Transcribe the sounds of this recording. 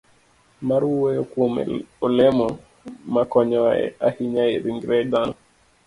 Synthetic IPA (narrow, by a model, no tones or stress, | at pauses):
maɾuwejokwomɛ̰olɛmɔ | makɔɲɔɛ̰ahiɲaeɾiŋɡɾɛd̪anɔ